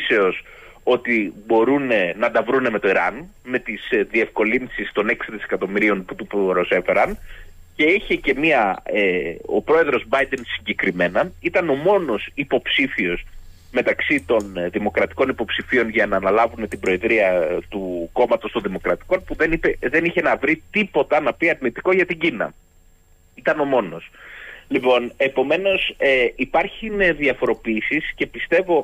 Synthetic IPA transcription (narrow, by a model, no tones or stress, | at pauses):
se̞o̞s | o̞t̪ibo̞ɾunenɐd̪ɐvɾune̞me̞t̪o̞iɾɐn | me̞t̪izðie̞fko̞linsist̪o̞ne̞ksiðise̞̥kɐt̪o̞miɾio̞nput̪upɾose̞fe̞ɾɐn | ce̞içece̞miɐeopɾo̞e̞ðɾo̞zbɐjd̪e̞nsiɲɟe̞kɾime̞nɐit̪ɐno̞mo̞no̞sipo̞psifio̞s | me̞t̪ɐksit̪o̞nðimo̞kɾɐt̪i̥ko̞nipo̞psifio̞nʝɐnɐːnɐlɐvune̞t̪ibɾo̞e̞ðɾiɐt̪uko̞mɐt̪o̞st̪o̞nðimo̞kɾɐt̪i̥ko̞npuðe̞nipeðe̞niçe̞nɐvɾit̪ipo̞t̪ɐnɐpiɐɾnit̪iko̞ʝɐt̪iɲɟinɐ̰ | it̪ɐno̞mo̞no̞̰slipo̞ne̞po̞me̞no̞seipɐɾçineðiɐfo̞ɾo̞piisisce̞pist̪e̞vo̞